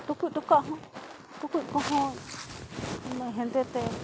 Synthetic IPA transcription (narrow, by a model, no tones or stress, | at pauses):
t̪ukʷit̪ukãʔɦõ | t̪ukʷiʔkõɦõ | nẽɦẽnd̪et̪e